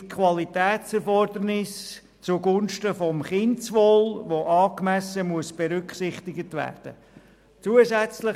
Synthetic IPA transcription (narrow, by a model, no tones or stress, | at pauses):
kʰχʋɑlitɛːtt͡sɛɾfɔɾd̪əɾnɪs | t͡suɡʊnʃtəfɔmχɪnt͡sʋoːlʋoʔɑːkmæsəmuəsb̥eɾʏkχsɪχt̪ɪɡətʋæ̰ːɾd̥ə̰ | t͡suəzæt͡slə